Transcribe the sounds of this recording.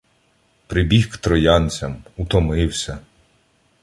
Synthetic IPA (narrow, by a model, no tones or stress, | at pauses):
pɾɪbʲixkt̪ɾɔjɑnʲt͡sʲɐmut̪ɔmɪwsʲɐ